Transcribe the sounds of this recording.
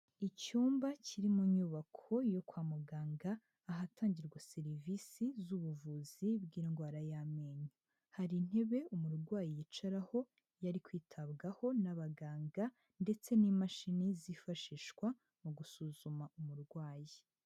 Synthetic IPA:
icuːmbaciɾimuɲuːβakʰo̞jo̞kwaːmuɡaːŋɡaː | ɦataːɲɟiɾɡwase̞ɾivisizuβuvuzibɡiːnɡwaːɾajameːɲu | haɾin̥he̞βe̞umuɾɡwaːjijit͡ʃaɾaho̞ | jaɾikwiːtʰaβɡaho̞naβaɡaːŋɡa | nde̞t͡se̞nimaʃinizifaʃiːʃkwa | muɡusuzumaʔumuɾɡwaːji

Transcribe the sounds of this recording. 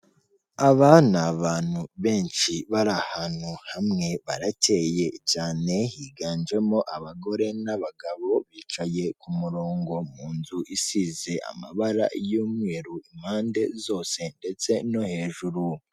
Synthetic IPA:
aβanaβaːn̥huβe̞ːnʃiβaɾahanhuhamŋe̞βaɾatʰe̞ːje̞t͡ʃaːne̞hiːɡaːnd͡ʒe̞mo̞ʔaβaɡo̞ɾe̞naβaɡaβo̞βiːt͡ʃaje̞kumuɾoːŋɡo̞muːnzuʔisize̞ʔa̰ma̰βaɾa̰joːmŋeːɾuim̥haːnde̞zo̞ːse̞nde̞t͡se̞no̞he̞ːʒuɾu

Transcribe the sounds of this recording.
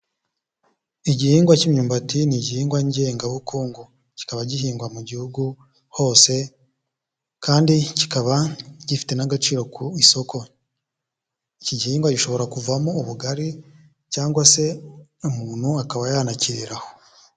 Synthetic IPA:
iɟihiːŋɡwacimɲuːmbatiniɟihiːŋɡwaɲɟe̞ːŋɡaβukuːŋɡu | ci̥kaβaɟiɦiːŋɡwamuɟihuɡu | ho̞ːse̞ | kaːndici̥kaβaɟ̥ifi̥te̞naɡat͡ʃiːɾo̞kʰuiso̞kʰo̞ | iciɟihiːŋɡwaɟiʃo̞βo̞ɾakuvamouβuɡaɾi | caːŋɡwase̞umuːn̥huakaβajanaciɾiɾaho

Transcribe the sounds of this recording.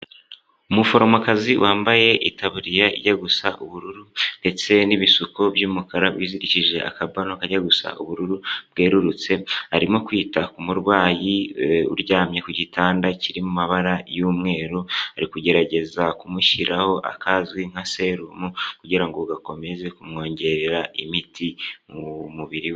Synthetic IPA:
umufo̞ɾo̞moakaziwʔaːmbaje̞ʔitaβuɾijaḭɟaɡusaʔuβuɾuɾunde̞t͡se̞niβisukobjuːmukaɾawiziɾiciʒe̞ʔa̰kabanokaɟaɡusa̰ʔṵβuɾuɾub̚ɡe̞ːɾuɾut͡se̞haɾimo̞kwiːtakumuɾwaːjiṵɾɟaːmɲe̞kuɟitaːndaciɾimumaβaɾajuːmŋe̞ːɾuaɾikuɟe̞ɾaɟe̞zakumuʃiɾʔaho̞ʔa̰kʰazɡwiŋ̥hase̞ɾumukuɟiɾaŋɡouɡako̞me̞ze̞kumŋo̞ːɲɟe̞ɾeɾaimiti | muβiɾiwe

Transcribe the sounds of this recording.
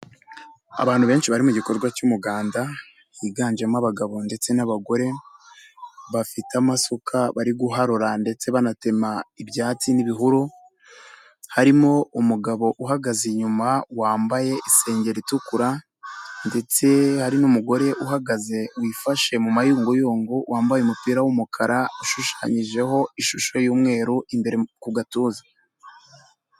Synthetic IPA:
a̰βaːn̥huβe̞ːnʃiβaɾimuɟiko̞ɾɡwacumuɡaːnda | iɡaːɲd͡ʒemŋaβaɡaβo̞nde̞t͡se̞naβaɡo̞ɾe̞ | βafitamasokʰaβaɾiɡuɦaɾoɾande̞t͡se̞βanate̞maibjaːt͡siniβiɦuɾo | haɾimo̞umuɡaβo̞ʔuɦaɡaziɲumawaːmbaje̞ʔise̞ːɲɟe̞ɾitukuɾa | nde̞t͡se̞haɾinumuɡo̞ɾe̞ʔuɦaɡaze̞wifaʃe̞mumajuːŋɡujoːŋɡuwaːmbajumupiːɾawumukʰaɾʔauʃuʃaːɲiʒe̞ɦo̞iʃuʃo̞juːmŋe̞ːɾuimbe̞ɾekuɡatuːza

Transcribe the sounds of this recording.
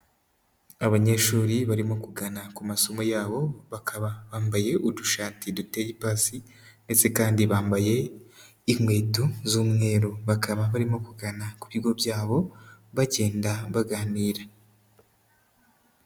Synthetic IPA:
aβaɲe̞ʃuːɾiβaɾimo̞kuɡanakumaso̞mojaːβo̞βakʰaβaβaːmbaje̞ʔuduʃaːtidute̞jipaːsi | nde̞t͡se̞kaːndiβaːmbaje̞ | iŋwe̞ːtuzuːmŋe̞ːɾoβakʰaβaβaɾimo̞kuɡanakuβiɡo̞bjaːβo̞βaɟe̞ːndaβaɡaːniːɾa

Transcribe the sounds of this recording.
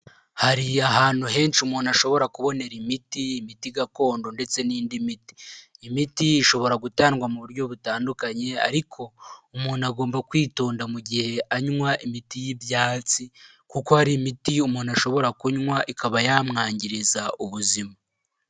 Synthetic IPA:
haɾiaɦaːn̥huɦe̞ːnʃumuːnaʃo̞βo̞ɾakuβo̞ne̞ɾimitiːmitiɡako̞ːndo̞nde̞t͡se̞niːndimiti̥ːmitiːʃo̞βo̞ɾaɡutaːnɡwamuβuɾɟo̞βutaːndukaɲe̞a̰ɾikʰo̞umuːnaɡo̞ːmbakwiːtoːndamuɟihe̞ʔaɲŋwaʔimitijibjaːt͡si | kuko̞haɾimitiumuːnaʃo̞βo̞ɾakuɲŋwaʔikaβajaːmŋaːɲɟiɾizaʔuβuzima

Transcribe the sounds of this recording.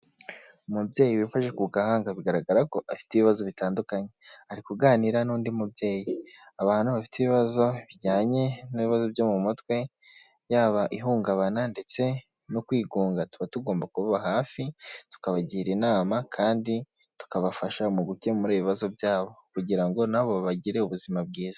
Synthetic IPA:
umubje̞ːjiwifaʒe̞kuɡahaːŋɡaβiɡaɾaɡaɾako̞afi̥teβiβazo̞βitaːndukaɲe̞haɾikuɡaːniɾanuːndimubje̞ːjiaβaːn̥huβafi̥teβiβazo̞βiɟaːɲe̞niβiβazo̞bɟo̞mumutkwe̞ | jaːβaʔiɦuːŋɡaβanande̞t͡se̞ | nokwiːɡuːŋɡatuβatuɡo̞ːmbakuβaβaɦaːfitu̥kaβaɟiːɾinaːmakʰaːndi | tu̥kaβafaʃaumuɡuce̞muɾeβiβazo̞bjaːβo̞kuɟiɾaŋɡo̞naβoβaɟiɾe̞uβuzimab̚ɡiːz̥a

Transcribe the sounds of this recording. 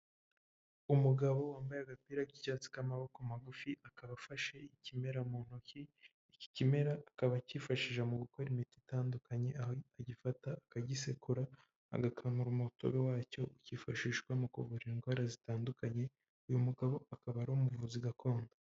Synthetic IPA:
umuɡaβo̞waːmbajeaɡapiːɾaɡicaːt͡si̥kamaβo̞komaɡufiakaβafaʃe̞icime̞ɾamon̥ociː | ci̥cime̞ɾaːkaβaciːfaʃiʒamuɡuko̞ɾimititaːndukʰaɲe̞aɟifataːkaɟisekuɾa̰ː | ɡakʰamuɾumoto̰βewaːco̞uciːfaʃiːʃɡwamuko̰vuɾiiŋɡwaːɾazitaːndukaɲe̞ | ujumuɡaβo̞akaβaɾoumuvuziɡakʰo̞ːnda

